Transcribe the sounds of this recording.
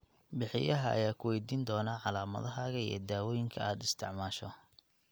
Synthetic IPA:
bɪħɪjɐɦɐʔɐ̰jaːkʰʊwɛjd̪iːnd̪ɔːnaːʕɑlaːmɐ̰ðɐɦaːɣɐiɛ̰ːd̪aːwɔːjɪŋkʰɐaːd̪ɪst̪ʰɪʕmaːʃɔ

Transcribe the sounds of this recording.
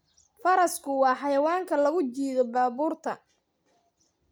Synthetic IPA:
fɐɾɐskʰʊwɑːħɑjɐwaːŋkʰɐlɐɣʊt͡ʃiːðɔbaːβuːrt̪ʰɐ

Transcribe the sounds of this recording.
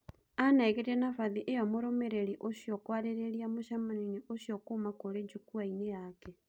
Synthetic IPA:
anaɛɣetɛnafaðiʔejɔmoɾomeɾeɾiʔoɕiɔkwaɾeɾeɾiamoʃamanineʔoɕiɔkoːmakoɾed͡ʒukuainejakɛ

